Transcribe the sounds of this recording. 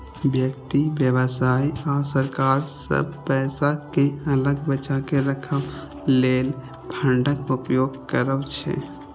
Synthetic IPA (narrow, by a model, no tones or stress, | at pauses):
bjək̚t̪iʋjəʋəsaːiasəɾkaːɾsə̰b̚pɛːsakeələɡbət͡ʃakeɾəkʰə | leːl | pʰə̃ɳɖəkʊpjoːɡkəɾəʋt͡ʃʰḛ